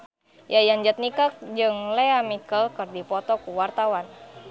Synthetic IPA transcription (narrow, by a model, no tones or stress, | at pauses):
jajand͡ʒət̪̚nikak̚d͡ʒɨŋlɛamikəlkərdipɔt̪ɔkuwart̪awan